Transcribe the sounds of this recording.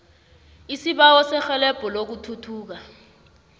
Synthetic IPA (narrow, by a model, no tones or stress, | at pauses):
isiɓawɔsɛxɛlɛb̥ʱɔlok̬utʰutʰuːk̬a